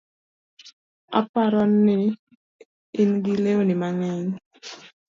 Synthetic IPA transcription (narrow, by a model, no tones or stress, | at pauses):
a̰paɾɔnːɪ | nɡileonɪmaŋɛɲ